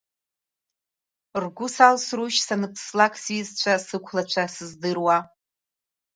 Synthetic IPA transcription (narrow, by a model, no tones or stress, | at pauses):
rɡʷʊsalsruʃsanɨpʰslakʼsizt͡ʃʷʰasɨkʷʰlat͡ʃʷʰasɨzdɨrwa